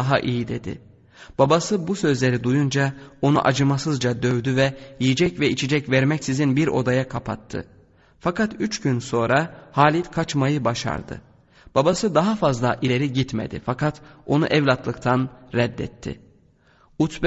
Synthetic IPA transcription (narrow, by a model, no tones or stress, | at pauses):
ɦaʔijid̪e̞d̪ɪ̰ | b̥abasɯbusø̞zlʲe̞ɾid̪ujund͡ʒao̞nṵʔad͡ʒɯmasɯzd͡ʒad̪øvd̪yvɛjijid͡ʒɛcvɛit͡ʃʰid͡ʒɛcvɛɾmɛcsizinbiɾo̞̰d̪ajakʰapʰa̰t̪ʰːɯ̰ | fakat̪yt͡ʃɟynso̞nɾahaːlʲit̪kʰat͡ʃmajɯbaʃa̰ɾd̪ɯ̰ | b̥abasɯd̪aɦafazlˠaʔilʲe̞ɾiɟit̪mḛd̪ɪ̰fakʰat̪o̞nuʔɛvlʲat̪ʰlˠɯkt̪ʰanɾɛd̪ːɛ̰t̪ʰːɪ̰ | ut̪b